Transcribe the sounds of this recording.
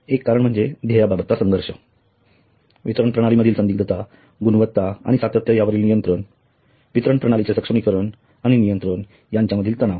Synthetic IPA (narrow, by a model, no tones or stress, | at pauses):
ekːaɾəɳm̤əɳd͡zed̪ʱejababət̪ːasə̃ŋɡʱəɾɕə | ʋit̪ɾəɳpɾəɽ̃aliməd̪ʱiːlsənd̪iːk̚d̪ət̪a | ɡunʋət̪ːaa̰nisat̪ət̪ːjəjaʋəɾiːlnijənt̪ɾəɳ | ʋit̪ɾəɳpɾəɽ̃alit͡sesəkʂəmikəɾəɳ | añinijənt̪ɾəɳ | jaɲt͡ɕjaməd̪ʱiːlt̪əɽ̃aʋ